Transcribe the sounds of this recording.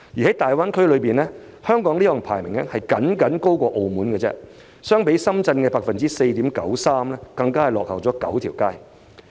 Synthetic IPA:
jiː˨˩hɐ˨˦˥jt̪aː˨jwaː˥nkʰɵ˥ɥlɵ˨˧ɥpiː˨˩nlɛ˥ | hœː˥ŋkɔː˨˥ŋliː˥jɔ˨ŋpʰa̰ː˨˩jmɪ˨˩ŋlɛ̰˥hɐ˨jkɐ˨˥nkɐ˨˥nko˥wkʷɔː˧ʔo˧wmuː˨˥nkɛ˧t͡sɛ̰˥ | sœː˥ŋpe˨˥jsɐ˥mt͡sɐ˧nkɛː˧paː˧k̚fɐ˨nt͡siː˥se˧jt̪iː˨˥mkɐ̰˨˥wsaː˥mlɛː˥kɐ˧ŋkaː˥hɐ˨˩lɔ̰ː˨k̚hɐ̰˨˩wt͡sɔː˨˥kɐ̰˨˥wt̪ʰiː˨˩wkaː˥j

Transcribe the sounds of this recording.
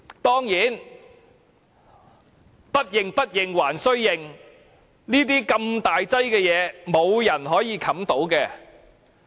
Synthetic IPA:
t̪ɔː˥ŋjiː˨˥n | pɐ˥t̚jɪ˨ŋpɐ˥t̚jɪ˨ŋwaː˨˩nsɵ˥ɥjɪ˨ŋ | niː˥t̪̬iː˥kɐ˧mt̪aː˨jt͡sɐ˥jkɛː˧jɛː˨˧mo˨˧wjɐ˨˩nɦɔː˨˥jiː˨˧kʰɐ˨˥mt̪o˨˥wkɛː˧

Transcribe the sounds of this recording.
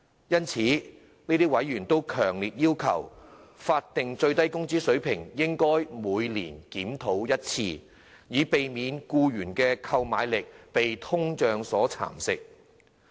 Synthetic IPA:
jɐ˥nt͡sʰiː˨˥ | niː˥t̪iː˥wɐ˨˥jːyː˨˩nt̪o˥wkʰœː˨˩ŋliː˨t̚jiː˥wkʰɐ̰˨˩wfaː˧t̚t̪ɪ˨ŋt͡sɵ˧ɥt̪ɐ˥jkʊ˥ŋt͡siː˥sɵ˨˥ɥpʰɪ˨˩ŋjɪ˥ŋkɔː˥jmuː˨˧jlḭː˨˩nkiː˨˥mt̪ʰo˨˥wjɐ˥t̚t͡sʰiː˧ | jiː˨˧pe˨jmiː˨˧nkuː˧ɥyː˨˩nkɛː˧kʰɐ˧wmaː˨˧jlɪ˨k̚pe˨jt̪ʰʊ˥ŋt͡ʃœː˨˧ŋsɔː˨˥t͡sʰa̰ː˨˩msɪ˨k̚

